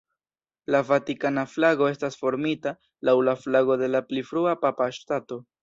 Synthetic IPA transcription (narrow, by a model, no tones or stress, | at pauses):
lavatikanaflaɡo̞e̞stasfo̞ɾmita | lawlaflaɡo̞de̞laplifɾuapapaʃtato̞